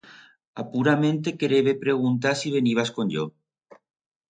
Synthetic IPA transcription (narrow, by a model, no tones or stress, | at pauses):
apuɾamẽnt̪ekeɾeβepɾeɣ̞unt̪̬asiβeniβ̞askonʲʎo